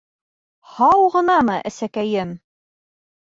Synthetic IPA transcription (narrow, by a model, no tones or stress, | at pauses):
hɑwʁɤ̆nɑmɤʔæ̰sækæjɘm